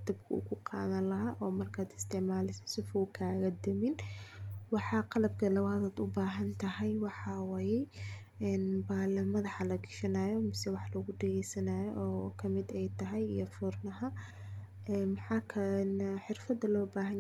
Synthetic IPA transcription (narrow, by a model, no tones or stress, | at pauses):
d̪ɐb̚kʰɐʊ̰kʊqɑ̰ːðɐnlɐɦaːʔɔːmɐrkʰaːd̪ɪ̥st̪ʰɛʕmaːlɪsɐ̥sɪfɔːkʰaːɣɐd̪ɐmɪn | wɑħɑqɑlɐb̚kʰɐlɐwaːðaːd̪ʊbaːɦɐnt̪ʰɐɦɛjwɑħɑwaːjɛ | ɛːnbaːlɐmɐðɑħɑlɐɡɪʃɐnaːjɔmɪsɛwɑħlɔɣʊɖɛɣɛjsɐnaːjɔʔɔːkʰɐmɪd̪ɛjt̪ʰɐɦɛjḭjɔfʊrnɐɦɐ | ʔɛːmɐħɑːkʰɐlɛnħɪrfɐd̪ɐlɔːbaːɦɐn